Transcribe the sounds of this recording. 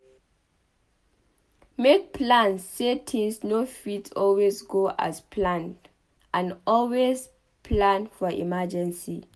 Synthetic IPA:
mek̚pʰlãnsːetʰĩŋsnofitʰɔlwezɡoʔa̰spʰlãnd | ʔãnɔlwez | pʰlãnfɔʔḭmad͡ʒɛ̃nsi

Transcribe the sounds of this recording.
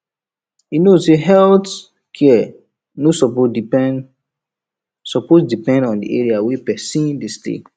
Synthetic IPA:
inoseɦɛlt | kʰɛ | nosɔpo | sɔposdipɛ̃ndɔ̃ndḭʔeɹiawepɛsĩndestḛ

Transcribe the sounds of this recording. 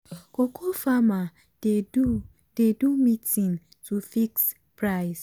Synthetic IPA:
kokʰofama | d̥edu | d̥edumitĩn | tufiks | pɾaɪs

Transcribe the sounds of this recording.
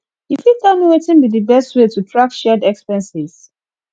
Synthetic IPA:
ifitɛlmiwetĩnbidibɛstwetutʰɹakʃɛdɛkspɛ̃nsiz̥

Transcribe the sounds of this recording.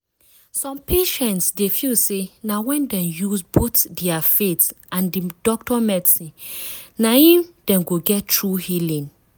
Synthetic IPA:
sɔ̃mpʰeʃɛ̃ntsdefisenawɛ̃ndɛ̃mjusbotdɛafetãndidɔk̚tɔmɛdsĩnaĩmd̥ɛ̃mɡoɡɛttɹuhilĩn

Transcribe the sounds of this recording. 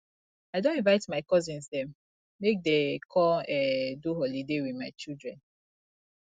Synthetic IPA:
aɪdõnĩvaɪtmaɪkɔzĩnsdɛ̃m | mek̚dekʰɔɛduɦɔlidewiðmaɪt͡ʃildɹɛ̃n

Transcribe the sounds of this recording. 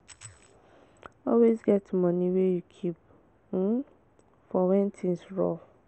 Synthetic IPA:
ɔlwesɡɛtmãnĩwejukʰip̩ | fɔwɛ̃ntʰĩnsɹɔ

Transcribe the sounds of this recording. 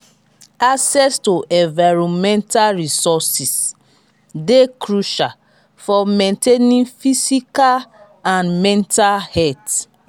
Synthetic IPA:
aksɛstoʔɛ̃nvaɹɔ̃mɛ̃ntalɹisɔsis | dekɹuʃal | fɔmɛ̃ntenĩnfisikal | ãnmɛ̃ntalhɛt

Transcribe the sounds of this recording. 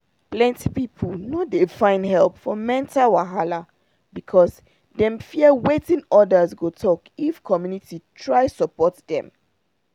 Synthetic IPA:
plɛ̃nti̥pipʰlnɔdefãɪ̃ndhɛlˠpfɔmɛ̃ntawaɦala | bikʰɔs | dɛ̃mfiəwetĩnɔdəzɡotʰɔkifkʰɔmjunititʰɹaɪsɔpɔtdɛ̰̃m

